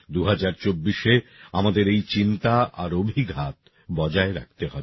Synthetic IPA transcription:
d̪uɦad͡ʑaɾt͡ɕobːiʃeamad̪eɾejt͡ɕint̪aʔaɾobʱiɡʱat̪ | bɔd͡ʑaeɾa̰k̚t̪eɦɔbe

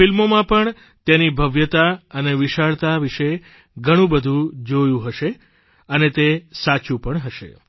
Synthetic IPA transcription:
filmomãpəɳ | t̪jenibʱəʋjət̪aəneʋiʃaɭt̪aʋiʃe | ɡʱəɽ̃ũbəd̪ʱũd͡ʒojũɦəʃe | ənet̪esat͡ʃũpəɳɦəʃḛ

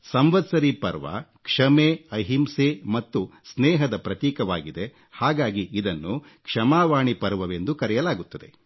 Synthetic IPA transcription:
sɐmʋɐd̪sɐɾipɐɾʋɐ̰kʂɐmeːɐɦimsemɐt̪ːusnɛːɦɐd̪ɐpɾɐt̪jiːkɐʋa̰ːɡid̪e | haːɡaːɡiːd̪ɐnːu | kʂɐmaːʋaːɳipɐɾʋɐʋe̞nd̪ukɐɾɛjɐlaːɡut̪ːɐd̪e̞̰

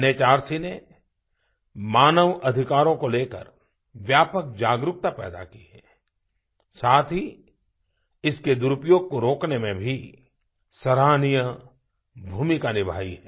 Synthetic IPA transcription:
net͡ʃaːɾsine | maːnəʋɐd̪ʱɪkaːɾõkoleːkə̰ɾ | ʋjaːpək̚d͡ʒaːɡɾʊk̚t̪apɛːd̪a̰kiɦɛː | saːt̪ʰi | ɪsked̪ʊɾʊpjoːɡ̚koɾoːknemẽbʱi | sɐɾaːnijə | bʱuːmikanɪbʱa̰ːiɦɛː

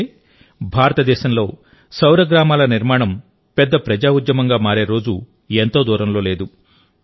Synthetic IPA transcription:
bʱaːɾɐt̪ɐd̪ɛːʃɐmlo̞ː | sɐwɾɐɡɾaːmaːlɐniɾmaːɳɐm | pɛd̪ːɐpɾɐd͡ʒaːud̪jɐmɐŋɡaːmaːɾe̞ːɾo̞ːd͡ʒu | ent̪o̞ːd̪uːɾɐmlo̞ːle̞ːd̪u

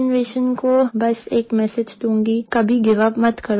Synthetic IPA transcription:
nʋeːʃənkobɐseːkmɛːsɪd͡ʒt̪ũːŋɡikɐbʱiɡɪʋaːbmɐt̪kɐɾ

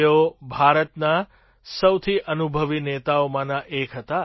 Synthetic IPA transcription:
obʱaɾət̪na | səwt̪ʰiʔənubʱəʋinet̪aomãnãʔekʰɦət̪a

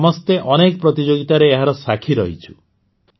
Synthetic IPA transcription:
mɔst̪eʔɔnek̚pɾɔt̪id͡ʒoɡit̪aɾeːɦaɾɔsakʰiɾɔɦit͡ʃʰu̥

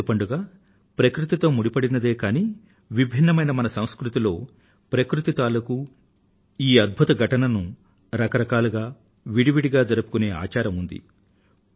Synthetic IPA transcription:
upɐɳɖuɡaː | pɾɐkɾut̪it̪o̞ːmuɽipɐɽinɐd̪e̞ːkaːniː | ʋibʱinːɐmɐjnɐmɐnɐsɐw̃skɾut̪ilo̞ː | pɾɐkɾut̪it̪aːlɐku | iːɐd̪̚bʱut̪ɐɡʱɐʈɐnɐnu | ɾɐkɐɾɐkaːluɡaː | ʋiɽiʋiɽiɡaːd͡ʒɐɾɐpu̥kune̞ːa̰ːt͡ʃaːɾɐmund̪ḭ

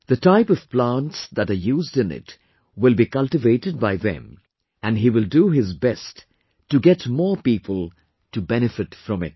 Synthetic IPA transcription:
ðɨtaɪpʌv̥plãntsðəɾə˞juzdɨ̃nɪ̰t | wɪlˠbikʌlˠtɨveɪɾɨd̚baɪðɨ̰̃m | æ̃nɦiwɪlˠduɪzbɛstː | ɨɡɛtmɔːɹpipʰəlˠ | tɨbɛñɨfɨtfɹʌ̃mɪ̰t̚

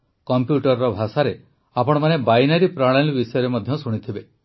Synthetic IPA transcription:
kɔmpjuʈɔɾɔɾɔbʱasaɾe | apɔɽ̃ɔmanebajnaɾipɾaɽ̃alibisɔjɔɾemɔd̪ʱjɔsuɽ̃it̪ʰibe

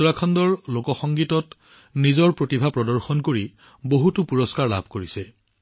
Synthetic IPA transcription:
ɔɹakʰɔndɔɹlokɔxɔŋɡitɔt | nizɔɹpɹotibʱapɹɔdɔɹxɔnkoɹi | boɦutupuɹɔskaɹla̰bʱkoɹisɛ

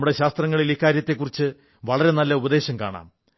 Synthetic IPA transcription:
muɽe̞ɕaːst̪rɐŋːɐɭilikːaːɾjɐt̪ːe̞kːurit͡ɕːɨ | ʋɐɭɐɾe̞nɐlːɐubɐd̪e̞ːɕɐmkaːɳa̰ːm

